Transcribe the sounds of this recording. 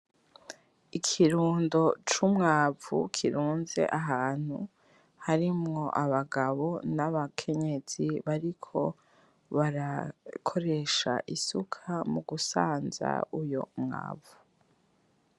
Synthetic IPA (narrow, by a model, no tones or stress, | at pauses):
ikʰiɾuːndo̞t͡ʃumŋaːvṵkʰiɾuːnze̞̰ʔaɦaːn̥hṵ | haɾimŋo̞ʔaβaɡaβo̞naβakʰe̞ɲe̞z̥iβaɾikʰo̞ | βaɾakʰo̞ɾe̞ʃa̰ʔisukʰamuɡusa̰ːnza̰ujo̰mŋa̰ːvu̥